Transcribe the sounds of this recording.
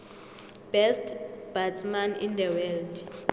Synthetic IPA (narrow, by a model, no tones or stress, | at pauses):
b̥ɛstʰb̥atʰmanḭnd̪ɛwɛld